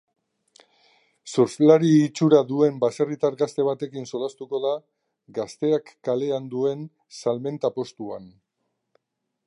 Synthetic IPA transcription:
soɾslaɾiːt͡ʃuɾaðue̞mbaserit̪aɾɣast̪e̞β̞at̪e̞kinso̞last̪uko̞ða | ɡast̪e̞akːale̞and̪ue̞n | salme̞nt̪apo̞st̪uan

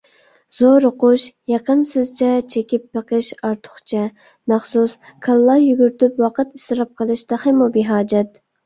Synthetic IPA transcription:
z̥oɾʊqʊʃjɑqəmsɪzt͡ʃʰɛt͡ʃʰekʲipːəqəʃɑɾt̪ʰʊ̥χt͡ʃʰɛ | mɑχsuskʰɑlˠːɑjyɡʲyɾt̪ypwɑqət̪ist̪ɨɾɑp̚qʰəlˠɨʃt̪ɑχɪmubiɦɑːd͡ʒɛt̪

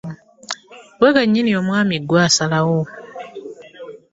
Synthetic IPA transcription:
wekaɲːiniomwaːmiɡwaːsalawo

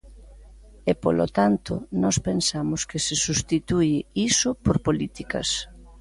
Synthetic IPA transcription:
epolo̰t̪ant̪ʊnɔspensamʊskesɪsust̪it̪uɪisʊpoɾpolit̪ikɐ̰s

